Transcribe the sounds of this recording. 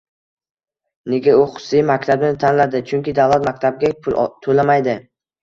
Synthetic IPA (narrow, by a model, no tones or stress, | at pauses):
neɡʲaʊχʊ̥sɪjmakʲt̪ʰabɪnɪt̪ʰanlad̪ɪt͡ʃʰʊŋkʲɪd̪avlat̪mak̚ʲt̪ʰab̚ɡʲapʰʊlt̪ʰolamajd̪ɪ